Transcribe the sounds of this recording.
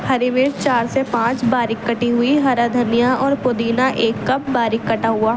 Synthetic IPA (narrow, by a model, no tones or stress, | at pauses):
hɐɾimɪɾt͡ʃaːɾsepãːt͡ʃbaːɾɪkːɐʈiɦʊiɦɐɾad̪ʱənijaɔːɾpʊd̪iːnaʔʔeːkːɐp̚baːɾɪkːɐʈaɦuaː